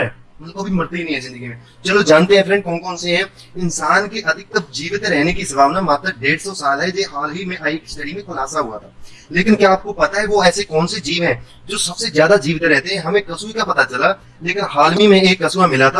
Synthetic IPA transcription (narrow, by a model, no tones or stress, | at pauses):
ɛːmʊkobʱimʊɾt̪einɐĩɦɛ̃zɪ̃nd̪əɡimẽ | t͡ʃɐlod͡ʒãːnt̪eɦɛ̃fɾɛ̃ɳɖ̚kɔːnkɔːnseɦɛ̃ | ɪnsaːnkeʔɐd̪ʱɪk̚t̪ɐp̚d͡ʒiːʋt̪eɾɛɦnekisɐbaːbnamaːt̪ɾəɾɖeːɽsɔsaːlɦɛd͡ʒeːɦaːlɦimẽɦaːikisʈɐɽimẽxʊlaːsaɦʊa̰t̪ʰaː | leːkɪnkjaːp̚kopɐt̪aɦɛʋoɛːsekɔːnsed͡ʒiːʋɦɛ̃ | d͡ʒoːsɐbsezjaːd̪ad͡ʒiːʋt̪eɾɛɦt̪eɦɛ̃ɦɐmẽkɐsuːikapɐt̪at͡ʃɐla | leːkɪnɦaːlmimẽeːkːɐsuːamɪlat̪ʰa